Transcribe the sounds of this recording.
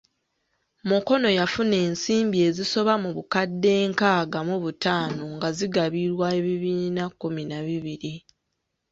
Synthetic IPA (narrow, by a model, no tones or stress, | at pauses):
muko̞no̞jafune̞ːnsiːmbie̞ːziso̞βamuβukadːe̞ːŋkaːɡamuβutaːnoŋɡaziɡaβiɾwae̞βiβiːnakːuminaβiβiɾi